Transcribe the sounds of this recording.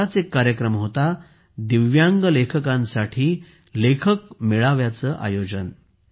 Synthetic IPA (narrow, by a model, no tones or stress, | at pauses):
at͡sekːaɾjəkɾəmɦot̪a | d̪iʋjaŋɡəlekʰəkãnsaʈʰiː | lekʰəkmiɭaʋjat͡səːʔa̰jod͡ʑən